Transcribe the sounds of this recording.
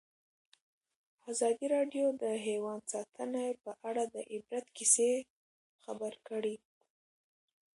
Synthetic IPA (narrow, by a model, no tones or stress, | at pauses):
azɑd̪iɾɑɖjod̪əɦewɑnd̪sɑt̪ʰənapəʔaɽad̪əʔɪbɾat̪kise | xabəɾkəɽi